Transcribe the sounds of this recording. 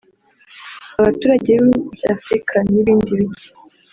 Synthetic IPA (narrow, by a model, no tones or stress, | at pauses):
aβatuːɾaɟeβibɟaːfɾikʰaniβiːndiβiɟi̥